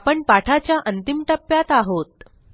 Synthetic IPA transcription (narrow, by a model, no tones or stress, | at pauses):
pəɳpaʈʰat͡ɕjaʔənt̪imʈəpːjat̪aɦot̪̚